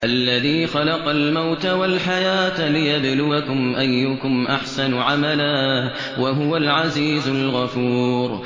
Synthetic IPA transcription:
ʔalːaðiːxɑlɑqɑlmawt̪awalħajaːt̪lɪjablʊakʊmʔajːʊkʊmʔaħsanʕamalaː | waɦʊwalʕaziːzʊlɣɑfuːɾ

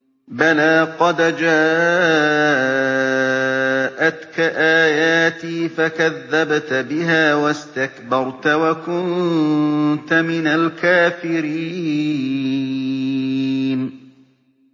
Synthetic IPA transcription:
balaːqɑd̪d͡ʒaː | ʔat̪kaʔaːjaːt̪iːfakaðːabt̪bɪɦaːwast̪akbɑɾˤt̪awakʊn | t̪amɪnalkaːfɪɾiː | n

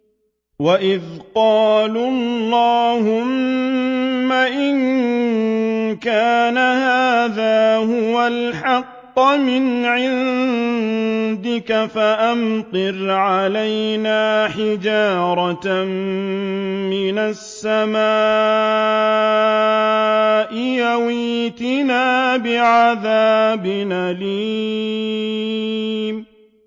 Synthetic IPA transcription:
waʔɪðqɑːlllllːɑːhʊmː | aʔɪn | kaːnahaːðaːɦʊwalħɑqːmɪnʕɪn | d̪ɪkafaʔamt̪ˤɨɾʕalajnaːħɪd͡ʒaːɾˤɑt̪m | mɪnasːamaː | ʔɪjawiːt̪ɪnaːbɪʕaðaːbɪnaːliː

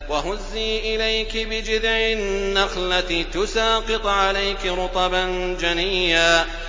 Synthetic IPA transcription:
waɦʊzːiːʔɪlajkɪbɪd͡ʒɪd̪ʕɪːaxlat̪ɪt̪ʊsɑːqɨt̪ˤʕalajkɪɾʊt̪ˤɑband͡ʒanijːaː

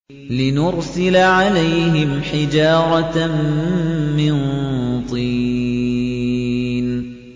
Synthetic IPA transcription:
lɪnʊɾsɪlaʕalajhɪmħɪd͡ʒɑːɾˤɑ | ɪnt̪ˤiː | n

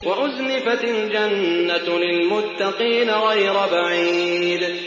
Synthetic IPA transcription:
wʔaʔʊznɪfat̪ald͡ʒanːalɪlmʊt̪ːaqiːnaɣajɾabaʕiːd̪

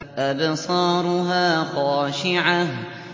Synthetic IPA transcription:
ʔadsˤɑːɾˤʊɦaːxɑːʃɪʕa

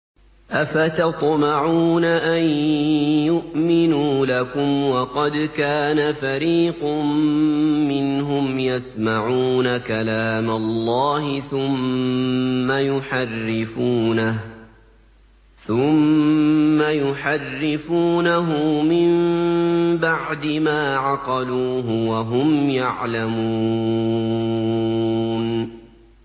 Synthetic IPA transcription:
ʔafat̪ɑt̪ˤmɑʕuːnaʔanjʊʔmɪnuːlakʊmwɑqɑd̪kaːnafaɾiːqʊː | ɪnɦʊmjasmaʕuːnakalaːmalːɑːhɪθʊmː | ajʊħarːɪfuːnah | θʊmː | ajʊħarːɪfuːnaɦʊmɪm | baʕd̪ɪmaːʕɑqɑluːɦʊwaɦʊmjaʕlamu | n

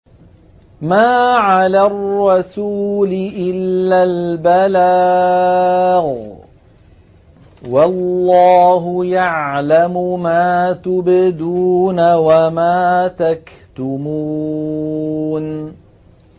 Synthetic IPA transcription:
maːʕalaːrːɑsuːlɪʔɪlːaːlbala | ɣ | wɑlːɑːɦʊjaʕlamʊmaːt̪ʊbɪd̪uːnawamaːt̪ak | t̪ʊmuː | n

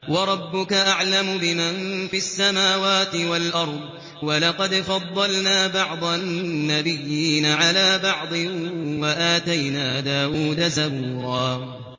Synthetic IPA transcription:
wɑɾˤɑbːʊkaʔaʕlamʊbɪmanfiʔasːamaːwaːt̪ɪwalʔɑɾˤd̪ˤ | wɑlɑqɑd̪fɑd̪ˤːɑlnaːbɑʕd̪ˤɑnːabɪjːiːnaʕalaːbɑʕd̪ˤɨwaʔaːt̪ajnaːd̪aːʔuːd̪azabuːɾˤɑː

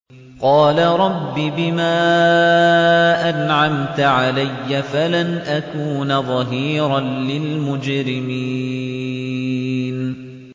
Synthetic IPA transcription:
qɑːlaɾˤɑbːibɪmaː | ʔanʕamt̪aʕalajːafalanʔakuːnaðˤɑɦiːɾɑlɪlmʊd͡ʒɾɪmiː | n

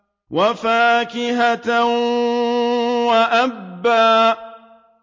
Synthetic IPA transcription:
wafaːkɪɦat̪a | waʔabːaː

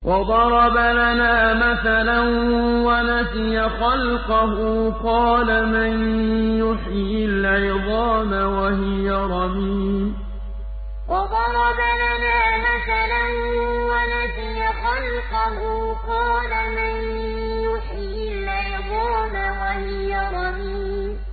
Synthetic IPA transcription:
wʔɑd̪ˤɑɾˤɑbalanaːmaθalanwanasɪjaxɑlqɑɦʊqɑːlamanjʊħjɪɪlʕajd̪ˤɑːmawahɪjaɾˤɑbiːm | ʔɑðɑɾˤɑbaʔanaːmaθalanwalasɪjaxɑlqɑɦʊ | qɑːlaman | jʊħɪ | ɪlʕajdˤɑːnawahɪjaɾˤɑbiːm

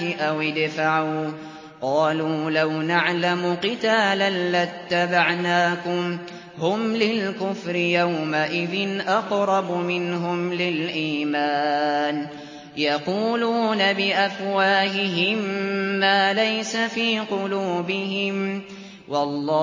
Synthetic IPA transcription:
ɪʔawɪd̪faʕuː | qɑːluːlawnaʕlamʊqɪt̪aːlanːat̪ːabaʕnaːkʊm | hʊmlɪlkʊfɾɪjawmaʔɪðɪnʔɑqɾˤɑbʊmɪnɦʊmlɪlʔiːmaːn | jɑquːluːnabɪʔafwaːhɪɦɪmːaːlajsafiːqʊluːbɪɦɪm | wʔɑlˤːɑː

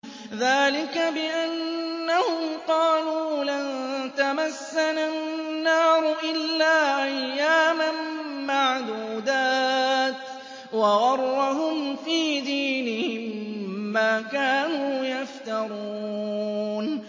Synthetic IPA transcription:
ðaːlɪkabɪʔanːahʊmqɑːluːlant̪amasːananːɑːɾˤʊʔɪlːaːʔajːaːmamaʕd̪uːd̪aːt̪ | wɑɣɑrˤːaɦʊmfiːd̪iːnɪhɪmːaːkaːnuːjaft̪ɑɾˤuː | n

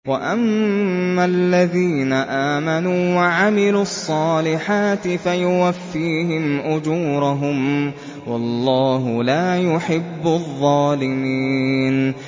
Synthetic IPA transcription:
waʔamː | alːaðiːnaʔaːmanuːwaʕamɪluːɑsˤːɑːlɪħaːt̪ɪfajʊwafːiːɦɪmʔʊd͡ʒuːɾaɦʊm | wɑlˤːɑːɦʊlaːjʊħɪbːʊðˤːɑːlɪmiːn

